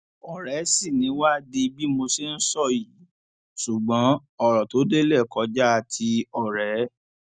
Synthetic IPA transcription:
ɔ˨ɾɛ˨˦si˦˨nĩ˨˦wa˦de˧bi˦mo˧se˧˦n̩˦sɔ˦˨ji˨˦ | su˨ɡ͡bɔ̃˨˦ | ɔ˦˨ɾɔ˨to˨˦de˦lɛ˦˨kɔ˨˦d͡ʒa˦a˧tʰi˧ɔ˦˨ɾɛ˨˦

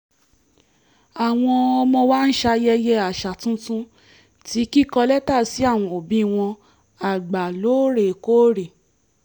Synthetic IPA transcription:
a˨w̃ɔ̃˧ɔ˧mɔ̃˧wa˦n̩˦ʃa˧jɛ˧jɛ˧a˨ʃa˨tũ˦tũ˦ | ti˨˦ki˦kɔ˧lɛ˦ta˦˨si˨˦a˦˨w̃ɔ̃˧o˨bĩ˦˨w̃ɔ̃˧ | a˨ɡ͡ba˨lo˨˦ɾe˨ko˦ɾe˨

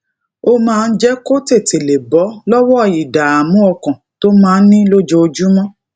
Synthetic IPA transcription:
o˦mãː˦˧n̩˦d͡ʒɛ˦ko˦te˦˨te˨le˨bɔ˨˦lɔ˦wɔ˦˧˨ji˨da˨a˨mũ˨˦ɔ˧kɔ̃˨to˦mãː˦˧n̩˦nĩ˦lo˦d͡ʒo˧o˧d͡ʒu˦mɔ̃˦

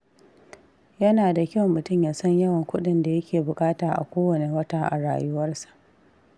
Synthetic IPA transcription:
jɐ˦naː˨da˨kʲɐ˦wmːʊ˨tʊ˦˨mjaː˨sɐ˦ɲjɐ˦wɐ˨ŋkʷʊ˦ɗɪ˦nda˨jɐ˦kʲʰeː˨bʊ˨kʼaː˦taː˨ʔa̰˨kʷoː˦wɐ˨ne˨wɐ˦taː˦ʔa̰˨ɽa̰ː˨jʊ˦wɐ˦rsḁ˨ʔ

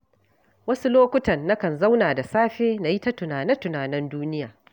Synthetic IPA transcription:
wɐ˦su˦loː˦kʷʊ˦tɐ˨nːɐ˦kɐ˨nza˦wnaː˨da˨saː˦ɸeː˦na˨ji˦ta˦tʊ˨naː˨nɛ˦tʊ˨naː˨nɪ˦nduː˦nɪ˦jaː˨

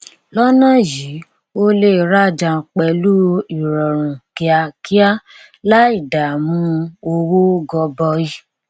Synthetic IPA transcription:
lɔ˦nã˦˨ji˨˦ | o˦le˦˨ɾa˦˨d͡ʒã˧˨k͡pɛ˧lu˦i˨ɾɔ˨ɾ̃ũ˨ki˧˦a˧ki˦a˦ | la˦i˦˨da˨mũ˨˦o˧wo˦ɡɔ˧bɔ˧i˦

